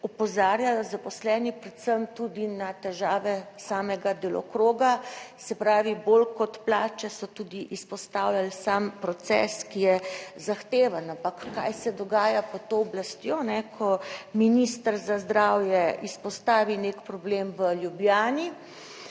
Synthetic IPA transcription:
ɔpɔzaːɾjajɔzapɔslɛːnipɾɛt̪səmt̪ud̪inat̪ɛʒaːʋɛsaːmɛɡad̪elɔ̰kɾoːɡasɛpɾaːʋibolkɔt̪plaːt͡ʃɛsɔt̪uːd̪iʔispɔst̪awlalsampɾɔt̪sɛ̰skijɛzaxt̪eːʋanampakːa̰jsɛd̪ɔɡaːjapɔt̪oːblast̪jonɛkʰɔminist̪əɾzazd̪ɾawjɛispɔst̪aːʋinekpɾɔblemʋəljubjaːni

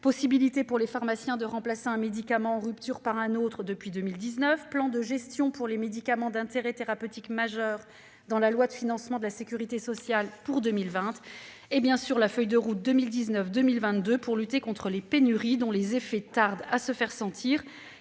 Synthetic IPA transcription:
pɔsibilit̪epuʁlefaʁmasjɛ̃d̪əʁɑ̃plaseɛ̃med̪ikamɑ̃ɑ̃ʁypt̪yʁpaʁɛ̃not̪χəd̪əpɥid̪ømild̪iznœfplɑ̃d̪əʒɛst̪jɔ̃puʁlemed̪ikamɑ̃d̪ɛ̃t̪eʁɛt̪eʁapøt̪ikmaʒœːʁ | d̪ɑ̃lalwad̪əfinɑ̃smɑ̃d̪əlasekʲyʁit̪esɔsjalpuʁd̪ømilvɛ̃t̪ | ebjɛ̃syʁlafœjd̪əʁut̪̚d̪əmild̪iznœfd̪ømilvɛ̃t̪d̪øpuʁlyt̪ekɔ̃t̪χəlepenyʁid̪ɔ̃lezefɛt̪aʁd̪asəfɛʁsɑ̃t̪ʰiːʁ

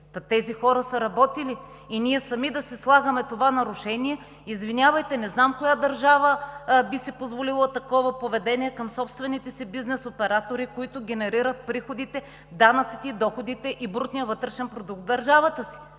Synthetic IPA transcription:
t̪ɛzixɔɾəsɐɾɐbɔt̪iliː | niɛsɐmid̪ɐsɛslˠaɡəmɛt̪ovanɐɾʊʃɛniɛ | izvinʲjavəjt̪ɛnɛznamkojad̪ɐɾʒavəbisipozvolilˠət̪ɐkɔvɐpovɛd̪ɛniɛkɐmsɔpst̪vɛnit̪ɛsibiznɛsopɛɾat̪oɾikoit̪ʊɡʲɛnɛɾiɾət̪̚pɾixod̪it̪ɛ | d̪anɐt̪si̥t̪ɛd̪ɔxod̪it̪ɛʔibɾut̪nijəvɤt̪ɾɛʃɛnpɾod̪uk̚t̪d̪ɐɾʒavət̪əsi̥

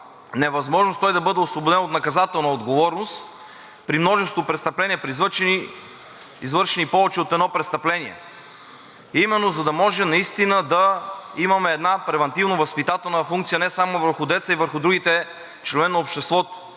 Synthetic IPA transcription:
nɛvɐzmɔʒnost̪ɔjd̪ɐbɤd̪ɛosvobod̪ɛnot̪nɐkɐzat̪ɛlˠnəod̪ɡovɔɾnost̪ | pɾimnɔʒɛst̪vopɾɛt̪st̪ɐplɛnʲiɛpɾizvəni | izvɤɾʃɛnipɔvɛt͡ʃiot̪ɛd̪nɔpɾɛt̪st̪ɐplɛniɛ̰ | imɛnːozɐd̪ɐmɔʒɛnɐist̪inəd̪ɐimɐmɛːd̪napɾɛvɐnt̪ivnovɐspit̪at̪ɛlˠnəfuŋkt̪sijənɛsamovəɾxʊd̪ɛt̪səivəɾxʊd̪ɾuɡit̪ɛ | t͡ʃlɛnnoopʃt̪ɛst̪vɔt̪ʊ̥

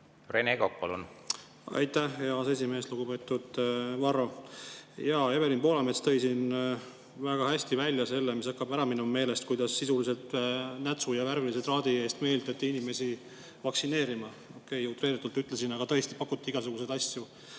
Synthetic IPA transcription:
reneɡok̚pɑ̰lṵn | ɑ̰jt̪ːæheɑse̞s̬ʲime̞ːsluɡ̥ube̞ːt̪ːˑud̪̥vɑɾo̞ | jɑːe̞be̞linpo̞lɑmet̪st̪ɤ̞jsin | væɡ̥ɑhæsʲt̪ivælʲjɑse̞lːemis̬ɑkːɑbæɾɑminumme̞ːle̞st̪̚kujd̪̥ɑsːisulise̞lt̪næt̪sujɑvæɾviliset̪rɑːd̪ie̞ːst̪me̞ːlt̪ɑt̪ːiinime̞si | vɑksine̞ːɾimɑ | o̞kːe̞jut̪ˑreːɾit̪ːˑult̪yt̪ːˑle̞sinɑɡ̥ɑt̪ɤ̞est̪i̥pɑkːˑut̪ːˑiiɡ̥ɑs̬uɡ̥us̬e̞d̪ɑsju

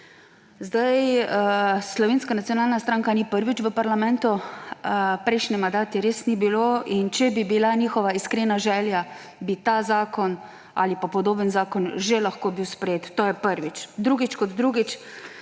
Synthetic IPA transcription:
zd̪aj | slɔʋeːnskanat̪sijɔnaːlnast̪ɾaːŋkanipəɾʋit͡ʃʋəpaɾlamɛ̃nt̪uəpɾɛjʃnɛmand̪aːt̪ɛɾeːsnibiloːʔint͡ʃɛbibilaniːxɔʋaiskɾeːnaʒɛːlja | bit̪azaːkɔn | a̰lipapɔd̪oːbənzaːkɔnʒelaxkoːbiwspɾɛjeːt̪ːoːjɛpəɾʋit͡ʃd̪ɾuːɡit͡ʃkɔd̪d̪ɾuːɡit͡ʃ

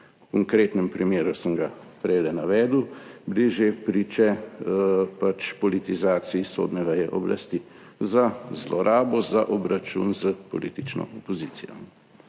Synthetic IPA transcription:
kɔŋkɾeːt̪nɛmpɾimeːɾusəmɡapɾɛjlɛnaʋɛːd̪wbliʒepɾiːt͡ʃɛ | pat͡ʃpɔlit̪izaːt̪siːso̰ːd̪nɛʋɛjɛʔɔbla̰st̪i | zazlɔɾʔaːbɔzaʔɔbɾat͡ʃṵnzəpɔ̰liːt̪it͡ʃnɔ̰ʔɔpɔziːt̪sijɔ̰

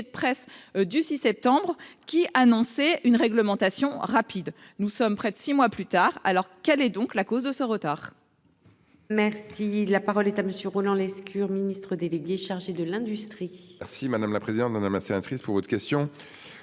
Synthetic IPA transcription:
d̪əpχɛsd̪ysisɛp̚t̪ɑ̃bʁkʲiʔanɔ̃sɛynʁɛɡləmɑ̃t̪asjɔ̃ʁapʰid̪nusɔmpχɛd̪əsimwaplyt̪aʁalɔʁkɛlɛd̪ɔ̃klakozd̪əsəʁət̪aːʁ | mɛʁsilapaʁɔlɛt̪aməsjøʁolɑ̃lɛskʰʲyʁminist̪χəd̪eleɡʲeʃaʁʒed̪əlɛ̃d̪yst̪χiɛʁsimad̪amlapχezid̪ɑ̃t̪mad̪amlasenat̪χispuʁvɔt̪χəkʲɛst̪jɔ̃

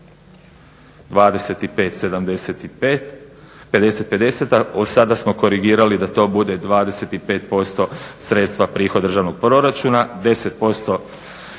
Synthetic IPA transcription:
d̪ʋaːd̪ese̞t̪ipe̞ːt̪se̞d̪amd̪eset̪i | ped̪e̞se̞t̪̚pe̞d̪e̞set̪aosad̪asmo̞ko̞ɾiɡiːɾalid̪at̪o̞ːbud̪e̞d̪ʋaːd̪ese̞t̪ipe̞ːt̪̚po̞st̪o̞sɾe̞t̪st̪ʋapɾiːxod̪r̩ʒaʋno̞ɡ̥̚pɾo̞ɾat͡ʃunad̪e̞se̞t̪̚po̞st̪o̞

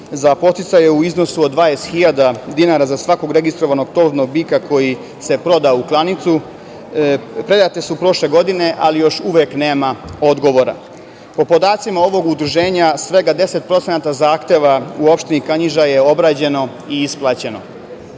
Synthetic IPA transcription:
zapo̞t̪it̪sajeuizno̞suod̪ːʋaest̪xiʎad̪ad̪inaɾazasʋako̞ɡɾe̞ɡist̪ɾo̞ʋano̞ɡ̚t̪o̞no̞ɡ̚bikakʰo̞ji | se̞pɾo̞d̪auklˠanit̪su | pɾe̞d̪at̪e̞supɾo̞ʃle̞ɡo̞d̪ine̞ʔalijo̞ʃuʋekne̞ːmao̞d̪ɡo̞ʋo̞ɾa̰ | po̞po̞d̪aːt̪simao̞ʋo̞ɡud̪ɾuʒe̞ːɲasʋe̞ɡad̪e̞se̞t̪̚pɾo̞t̪senat̪azaːxt̪jeʋauo̞pʃt̪enikaɲiʒaje̞o̞bɾaːd͡ʑe̞no̞ | iisplˠaːt͡ɕe̞no̞̰

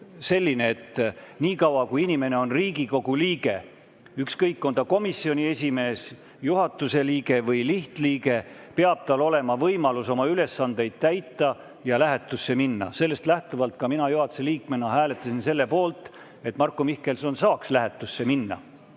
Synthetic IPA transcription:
se̞lʲːine̞ːt̪ːniːkɑwɑkujinʲime̞ne̞o̞nriːɡiko̞ɡ̥uliːɡe̞ | ykskɤjkːo̞nd̪̥ɑko̞misːio̞nʲie̞sʲime̞ːs | juɦɑt̪ːˑuse̞liːɡ̥e̞vɤjliht̪liːɡe̞ | peɑb̥̚t̪ɑlo̞le̞mɑvɤjmɑluso̞mɑyle̞sːɑnd̪̥e̞jd̪̥̚t̪æjt̪ːˑɑ | jɑlæɦe̞t̪ːˑusːe̞minːɑ̰se̞lːe̞st̪læht̪uvɑlt̪̚kɑminɑjuɦɑt̪u̥se̞liːkmenɑɦæːle̞t̪ːˑɑsinse̞lːe̞po̞ːlt̪ˑ | e̞t̪mɑrkːomihke̞lso̞nsɑːkslæɦet̪ːˑusːe̞minːɑ̰

